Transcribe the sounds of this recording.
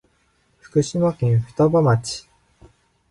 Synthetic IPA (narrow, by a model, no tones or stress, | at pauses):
ɸɯ̟̥kɯ̟ɕimakẽɰ̃ɸɯ̟̥t̪abamat͡ɕi̥